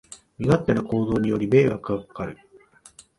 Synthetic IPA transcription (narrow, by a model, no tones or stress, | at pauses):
mʲiɡat̪ːe̞noko̞ːzo̞ːɲ̟ijo̞ɾʲime̞ːɡakɯakkaɾɯ̟